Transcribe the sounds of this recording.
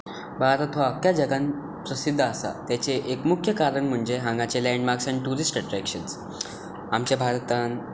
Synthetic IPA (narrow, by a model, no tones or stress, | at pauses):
bʱaɾət̪ʋoəkjad͡ʑəɡãn | pɾəsid̪ʱːəːsa̰t̪jat͡seʔekmukʰjəkaɾəɳm̤əɳd͡zeɦãŋɡat͡selɛ̃ɳɖmaɾksãɳʈuɾisʈəʈɾɛkʂəns | amt͡ɕjabʱaɾt̪an